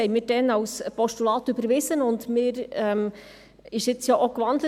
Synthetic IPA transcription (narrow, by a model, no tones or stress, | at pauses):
ɛɪmɪːɾd̥ɛnɑwspɔʃtulɑːt̪ybəɾʋɪsənʊndmɪːɾɛm | ɪʃɪt͡sjɑːʔokʋɑndlə